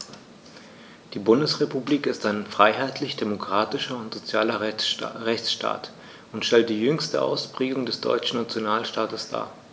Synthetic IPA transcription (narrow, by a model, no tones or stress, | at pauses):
d̥iːbʊndəsʁ̥epubliːkɪstaɪnfʁ̥aɪɦaɪtʰlɪçd̥emokʁ̥aːtɪʃɐʊntz̥ot͡sjaːlɐʁɛçt͡sʃta̰ːt | ʊntʃtɛlt̚d̥iːjʏŋstəʔa̰ʊspʁ̥eːɡʊŋdɛsd̥ɔ̰ʏt͡ʃn̩nat͡sjonaːlʃtaːtəsd̥a̰ː